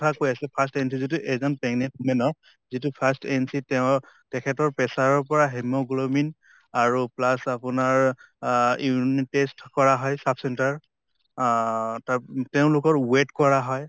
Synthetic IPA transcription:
tʰakojasɛpʰastensizit̬uʔɛzɔnpɛŋnɛpmɛnɔɹ | zitupʰastensitɛʊ̃ | tɛkʰɛtɔɹpɛsaɹɔɹpɔɹaɦɛmoɡulomin | aɹuplasapʊnaɹ | intestkɔɹaɦɔjsapʰsɛntaɹ | tatɛʊ̃lʊkɔɹwetkɔɹaɦɔj

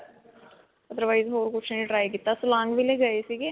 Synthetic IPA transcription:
əd̪əɾʋaːizɦoːɾkʊt͡ʃʰnəĩʈɾaːikɪt̪ːasʊlãːŋɡʋileɡəesiɡe

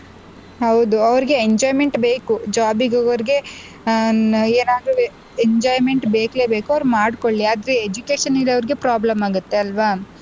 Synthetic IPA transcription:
ɦɐwd̪uɐʋɐɾiɡe̞eɲd͡ʒaːjme̞ɳʈbeːkud͡ʒaːbiɡɐɡɐʋɐɾiɡe̞ | eːnaːd̪ɾu | eɲd͡ʒaːjme̞ɳʈbeːkleːbe̞ːkuɐʋɾumaːɖko̞ɭːiaːd̪ɐɾeed͡ʒukeːʃɐnilːiɐʋɾiɡe̞pɾaːblɐmaːɡut̪ːe̞ɐlʋaː

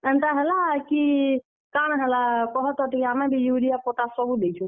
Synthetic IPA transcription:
ənt̪aɦɛlaki | kanɦɛlakɔɦɔt̪ɔʈikamebʱijuɾijapoʈ̪asəbʱud̪et͡ʃʰũ

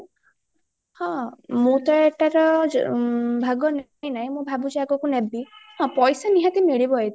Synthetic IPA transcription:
hɔ̃mut̪aeʈaɾɔ | bʱaɡɔn | j̃naɦĩmũbʱabud͡ʒaɡɔkunɛbiɦɔ̃pɔjsaniɦãt̪imeɭibɔɦet̪

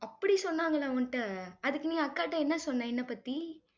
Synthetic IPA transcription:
ɐpːɐɽisɔnːaːŋɡɐɭãːonʈːɯɐðɯkːɯnĩːɐɐkːaːʈːɐɛnːɐsɔnːãɛnːɐpɐt̪ːi

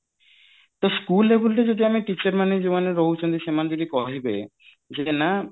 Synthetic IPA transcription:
t̪oskulːebulʈed͡ʑod̪iamiʈit͡ɕaɾmaned͡ʑibaneɾːoɦut͡ɕond̪iʃemand͡ʑod̪ikɔɦibḛ | d͡ʑena

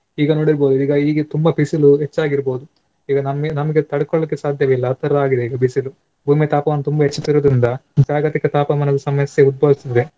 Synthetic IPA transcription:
iːɡɐnoːɽiɾboːd̪uiːɡɐiːɡet̪umbɐbʱisiluɦet͡ʃːaːɡiɾbo̞ːd̪u | iːɡɐnɐmenɐmɐɡet̪ɐɽɐkɔɭɐlikːesaːd̪ʱjɐʋeilːɐt̪ɐɾɐaːɡid̪e̞iːɡɐbʱisilu | bʱuːmit̪aːpɐʋɐnːut̪umbɐɦet͡ʃːɐt̪ːiɾoːd̪ɾind̪ɐd͡ʒaːɡɐt̪ikɐt̪aːpɐmɐnɐd̪ɐsɐmɐsjeud̪̚bɐːʋisid̪d̪e

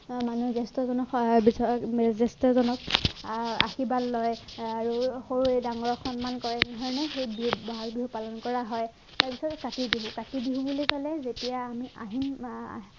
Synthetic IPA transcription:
manuzɛstɔzɔnɔkbisɔmɛzɛstɔzɔnɔk̚ | a̰xibalːɔjaɹuxoɹuedaŋɔɹɔxɔnmankɔɹɛndʱɔɹɔnɛxejbibɔɦakbiɦupalɔnkɔɹaɦɔj | taɹpisɔtɛkatibiɦukatibiɦubulikɔlɛzetijaːmia̰ɦin̰

